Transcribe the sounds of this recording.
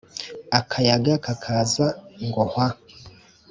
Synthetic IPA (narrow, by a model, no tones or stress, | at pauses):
akʰajaɡakakʰazaŋɡoha